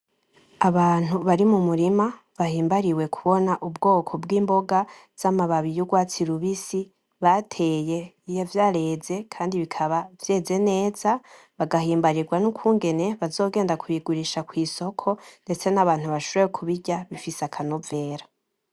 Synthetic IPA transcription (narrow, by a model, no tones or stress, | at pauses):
aβaːn̥uβaɾimumuɾima | βahiːmbaɾiwe̞kʰuβo̞naʔubɡo̞ːkʰo̞bɡiːmbo̞ɡa | z̥amaβaβijuɡwaːt͡siɾuβisi | βatʰe̞ːje̞ | ijovjaɾe̞ːze̞kʰaːndiβikʰaβavje̞ːze̞ne̞ːz̥a | βaɡaɦiːmbaɾiɾɡwanukʰuːŋɡe̞ne̞βazo̞ːɡe̞ːndakuiɡuɾiʃakwiːso̞kʰo̞nde̞t͡se̞naβaːn̥huβaʃoɾewekʰuβiɟaβifisakʰanove̞ːɾa